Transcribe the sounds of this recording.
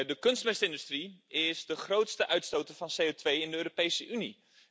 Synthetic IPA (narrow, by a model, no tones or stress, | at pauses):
dəkɵnstmɛstəɪndystriɪsdəχrowtstəʔœɥtstowtəfɑnsejotʋejɪndəøːɾopejsəʔyni